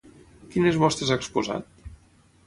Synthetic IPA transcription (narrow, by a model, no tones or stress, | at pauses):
kinezβɔst̪ɾezaekspuza̰t̪̚